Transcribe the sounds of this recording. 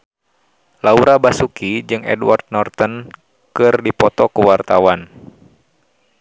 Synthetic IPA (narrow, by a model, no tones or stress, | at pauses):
lauɾabasukid͡ʒɨŋɛ̰dwa̰rd̪̚nɔrt̪ən | kɨrdipɔt̪ɔkuwart̪awan